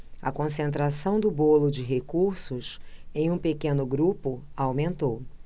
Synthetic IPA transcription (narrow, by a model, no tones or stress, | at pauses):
ɐkõsẽnt̪ɾasɐ̃w̃d̪ʊbolʊd͡ʒɪɦekuɾsʊsẽj̃ũpekẽnʊɡɾupʊ | awmẽnt̪ow